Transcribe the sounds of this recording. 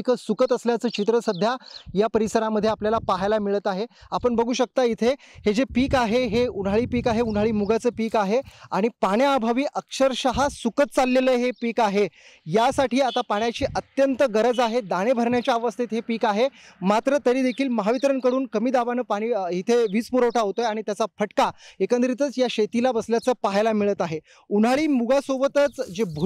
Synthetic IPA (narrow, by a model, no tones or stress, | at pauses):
kəsukət̪əsljat͡səːt͡ɕit̪ɾəsəd̪ʱjajapəɾisəɾaməd̪ʱjeapljalapaɦajlamiɭət̪aɦeapəɳbəɡʱuːɕək̚t̪ait̪ʰehed͡zepiːkaɦeɦeuɽ̤aɭiːpiːkaɦeuɽ̤ɦaɭiːmuɡat͡səːpiːkaɦeaɽ̃ipaɳjaːbʱaʋiːʔəkʂəɾɕəɦasukət̪̚t͡salːeləɦepiːkaɦejasaʈiːat̪apaɳjat͡ɕiːʔət̪jənt̪əɡəɾəd͡zaɦed̪aɽ̃ebʱəɾɳjat͡ɕjaːʋəst̪ʰit̪ɦepiːkaɦemat̪ɾət̪əɾiːd̪ekʰiːlməɦaʋit̪ɾənkəɽuːnkəmiːd̪aʋanəːpaɽ̃iːɦit̪ʰeʋiːt͡spuɾəwʈʰaɦot̪ojaɽ̃it̪jat͡sapʰəʈkaekənd̪ɾit̪ət͡sjaɕet̪ilabəsljat͡səːpaɦjlamiɭət̪aɦe | unɦaɭiːmuɡʱasobət̪ət͡sd͡ʑebʱu